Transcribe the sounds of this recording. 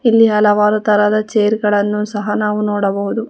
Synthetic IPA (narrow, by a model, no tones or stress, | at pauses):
ilːiɦɐlɐʋaːɾut̪ɐɾɐd̪ɐt͡ʃeːɾɡɐɭɐnːusɐɦɐnaːʋunoːɽɐbɐɦud̪u